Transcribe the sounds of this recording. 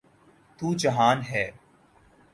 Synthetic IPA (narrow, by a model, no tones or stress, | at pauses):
t̪uːd͡ʒɐɦaːnɦɛː